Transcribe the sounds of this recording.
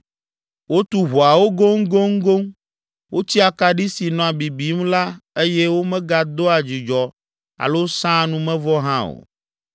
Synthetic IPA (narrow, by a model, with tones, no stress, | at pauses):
wo˦t̪u˦ɦu˨a˨wo˦ɡo˦ŋ̩˦ɡo˦ŋ̩˦ɡo˦ŋ | wʔo˦t͡ɕi˦a˨ka˨ɖi˦si˨nɔ̃˨a˨bi˨bi˨˦mla˦e˦jɛ˦wo˦mɛ̃˦ɡa˨d̪o˦a˨d͡ʑi˨d͡ʒɔ˨ | a̰˨lo˦sã˦nũ˦mɛ̃˦vɔ˦ɦã˦o̰˨